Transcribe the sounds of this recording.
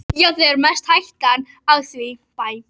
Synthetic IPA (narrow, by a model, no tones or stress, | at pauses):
jaːwθɛðɛɾmɛst̪hajht̪an | aðθvɪpaːj